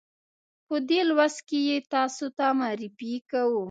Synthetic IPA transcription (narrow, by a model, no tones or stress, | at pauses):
pəd̪elwas̚kejet̪ɑsot̪amaɾifikawu